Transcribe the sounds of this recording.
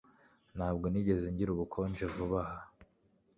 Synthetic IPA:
naːbɡo̞niɟe̞zeɲɟiɾuβukʰond͡ʒevuβaha

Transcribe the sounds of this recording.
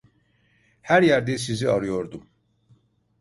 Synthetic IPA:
hæɾjæɾd̪ɛsiziaɾɯjo̞ɾd̪um

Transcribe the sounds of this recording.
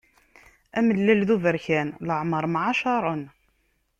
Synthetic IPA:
æməlːælðuvəɾçænləʕməɾˤmʕaʃɑɾˤon

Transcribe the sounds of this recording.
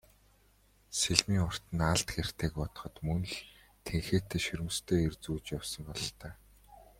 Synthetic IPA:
seɮmiːŋʊr̥t̪ɘ̆naɮt̪xer̥t̪ʰeːkpɔt̪̆χɞ̆t̪mɵn̆ɮ | t̪ʰeŋxeːt̪ʰːeːʃɵɾɘ̆m̆st̪ʰeːert͡suːt͡ɕjawsɞ̆mpɔɮɞ̆ɬt̪ʰæː

